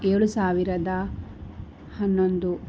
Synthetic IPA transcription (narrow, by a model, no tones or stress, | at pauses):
eːɭusaːʋiɾɐd̪ɐ | hɐnːond̪u